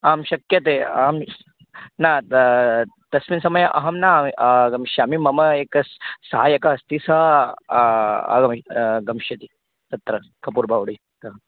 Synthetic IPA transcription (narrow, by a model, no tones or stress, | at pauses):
aːmʃɐkjɐt̪eːaːm | naː | t̪ɐsminsɐmɐjɐʔɐɦɐmnaɡɐmʃjaːmimɐmɐeːkɐsɐɦaːjɐkɐɐst̪isɐ | ɐ̰ɡɐmɡɐmʃjɐt̪i | t̪ɐt̪ɾɐ | kʰɐpuːɾbʱaːʋɐɽi | t̪ɐ